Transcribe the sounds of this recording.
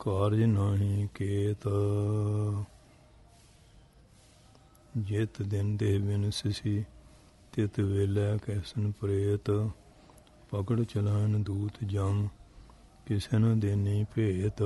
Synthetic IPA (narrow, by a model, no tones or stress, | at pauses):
kaːɾd͡ʒnãːɦĩːkeːt̪ | d͡ʒɪt̪d̪ɪnd̪eɦbɪnsɪsiː | t̪ɪt̪ʋeːlɛːkɛːsənpɾeːt̪ | pəkəɽt͡ʃəlaːnd̪uːt̪d͡ʒəm | kɪsenəd̪ɪniːpeːt̪